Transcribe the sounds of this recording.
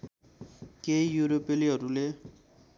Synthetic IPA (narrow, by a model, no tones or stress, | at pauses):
kejuɾopeliɦʌɾule